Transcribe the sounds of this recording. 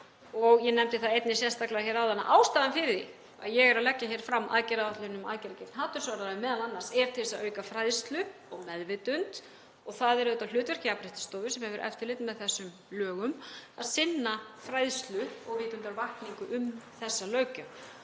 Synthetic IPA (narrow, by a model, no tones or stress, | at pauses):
ɔɣjɛnɛmt̪ɪθaðejt̪nɪ̥sjɛst̪aklaçɛːɾawðana̰ʔaːwst̪aːðanfɪɾɪðḭ | a̰ðjɛɣɛɾaðlɛcːaçɛːɾ̥fɾamːʔa̰ðcɛɾaaht̪lʏɾɪnʏma̰ðcɛɾacɪftnɦaːt̪ʏɾ̥svaɾðaɾamɛːðananːḁsɛɾ̥t̪ʰɪlɛsːaʔœːɥkafɾajðst̪lʏɔɣmɛðvɪt̪ʏnt̪ | ɔɣθaðɛɾðʏːt̪alʏːt̪vɛɾ̥cɪapɾɪht̪ɪ̥st̪oːvʏsɛmhɛvʏɾʔɛ̰ft̪ɪɾlɪt̪nmɛðθɛsːʏm | lœːɣʏmaðsɪnːafɾajðst̪lʏɔɣvɪːt̪ʏnt̪aɾvahkniŋkʏʔʏmθɛsːalœːɥcʏ